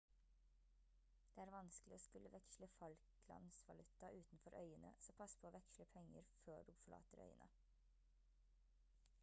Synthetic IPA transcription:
d̪̥eːæːɾʋɑnsklɪoːskʉlːəʋɛkʃləfɑlkʰlɑ̰nsʋɑlʉt̪ɑʔʉːt̪n̩fɔɾʔœ̰ʏənə̰sɔmpʰɑspʰoːoːʋɛkʃləpʰɛŋːəɾføːɖuːfɔɭɑ̰ːt̪əɾœ̰ʏənʔə̰

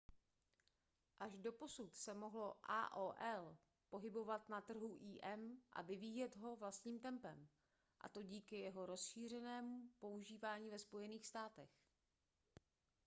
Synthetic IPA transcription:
ʔaʒdo̞po̞sut̪sɛmo̞ɦlo̞ʔa̰ːʔoːʔɛl | po̞ɦɪbo̞vat̪nat̪r̩ɦuʔiːʔɛmʔa̰vɪviːjɛt̪ɦo̞vlast̪ɲiːmt̪ɛmpɛm | ʔa̰t̪o̞ɟiːkɪjɛɦo̞ɾo̞sʃiːr̝ɛnɛːmupo̞uʒiːvaːɲiːvɛspo̞jɛniːxst̪aːt̪ɛx

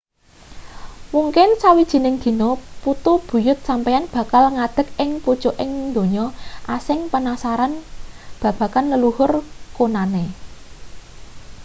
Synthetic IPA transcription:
muŋkɪnsawid̥ʒ̥i̤nɪŋd̪̥i̤nɔput̪ub̥ṳjʊt̪̚sampejanb̥ä̤kalŋad̪̥ə̤k̚ɪŋpud̥ʒ̥oʔɪŋnd̪o̤ɲɔʔasɪŋpənasaɾanb̥ä̤b̥ä̤kanləluhʊrkonane

